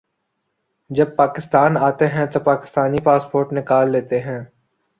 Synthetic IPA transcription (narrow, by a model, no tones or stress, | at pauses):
d͡ʒɐb̚paːkɪst̪aːnaːt̪eɦɛ̃t̪opaːkɪ̥st̪aːnipaːspoːɾʈnɪkaːlːeːt̪eɦɛ̃ː